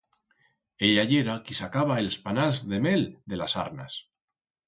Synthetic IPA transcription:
eʎaʎeɾakisakaβaelspanazðe̞meld̪e̞lasa̰ɾna̰s

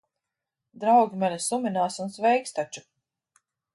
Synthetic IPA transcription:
d̪ɾawɡʲimʲɛlʲɛsumʲinaːsunsvɛjkst̪at͡ʃu̥

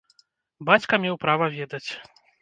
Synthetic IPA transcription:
bat͡sʲkɐmʲɛwpɾavɐvʲɛd̪ɐt͡sʲ

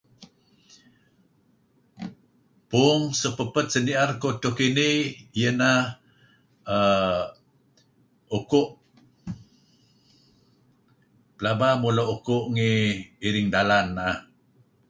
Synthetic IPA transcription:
puŋsəpəpət̪̚səniʔarkot̪ukinijəna | ə | ukuʔ | pəlabamuloʔukuʔŋiːɾiŋdalanːaʔa

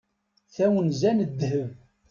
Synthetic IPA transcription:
θæwənzænəd̪ːhəv

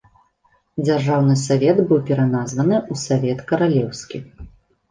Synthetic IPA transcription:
d͡zʲarʐawnɨsavʲɛd̪bɨwpʲɛɾanazvɐnɨusavʲɛt̪kɐɾalʲɛwsʲkʲi

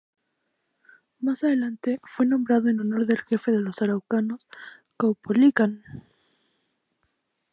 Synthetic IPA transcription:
masaðe̞lant̪e̞fwe̞nombɾaðoenono̞ɾðe̞lxe̞fe̞ðe̞lo̞saɾawkano̞s | kawpolikan

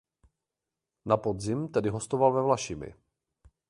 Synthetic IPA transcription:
napo̞dzɪmt̪ɛdɪɦo̞st̪ovalvɛvlaʃɪmɪ̰

